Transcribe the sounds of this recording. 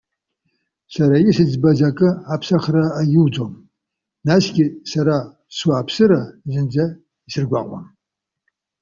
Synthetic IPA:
saɾajɪsɨd͡zbɐzakʼɨapʰsaχraːjɪwd͡zʼom | nasɡʲɪsaɾa | swuapʰsɨɾazɨnd͡ʒɐ | isɨrɡʷa̰ːqʷʼɔ̰m

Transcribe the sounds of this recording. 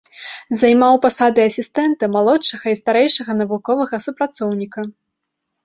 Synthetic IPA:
zajmawpasad̪ɨɐsʲist̪ɛnt̪ɐmalˠɔtʂɐɣɐist̪aɾɛjʂɐɣɐnɐvukɔvɐɣɐsupɾat̪sɔwnʲikɐ

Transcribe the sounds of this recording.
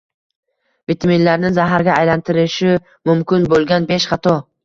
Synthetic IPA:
vit̪ʰaminlaɾnɪŋzaɦaɾɡʲaːjlant̪ʰɪɾɪʃɪ | mʊmkʲʰɪnbolˠɡʲanbeʃχɑt̪ʰɒ

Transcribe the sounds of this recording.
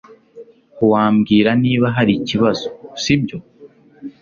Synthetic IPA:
huwaːmɡiːɾaniːβaɦaɾiciβazosibɟo̞

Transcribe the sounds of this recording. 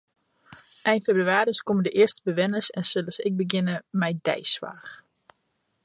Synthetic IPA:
ʔɛjnfebryaːɾiskomədəʔɪəɹstəbəʋɛnəsɛnsɪləsɪk̚bəɡɪnəmɛjdɛ̰jsʋa̰ːx

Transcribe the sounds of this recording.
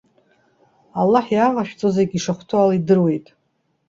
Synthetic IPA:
alːaħjaʁaʃᶣt͡sʼozeɡʲiʂaχʷtʰualaidɨrwe̞jtʼ

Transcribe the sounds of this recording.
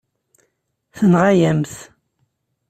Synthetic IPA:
θənʁajæmθ

